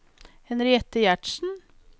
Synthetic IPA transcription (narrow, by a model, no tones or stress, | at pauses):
hɛnɾɪɛt̪əjæʈʃn̩